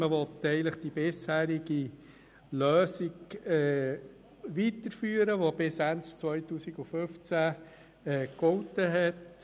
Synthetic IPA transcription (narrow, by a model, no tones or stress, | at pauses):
məʋɔt̪ɛɪələχd̥ibɪshæːɾɪɡi | løːsiɡɛ | ʋitəɾfyːəɾəʋob̥ɪsænst͡sʋœjtuːsiɡuføft͡sæ | ɛːkɔwtəɦɛt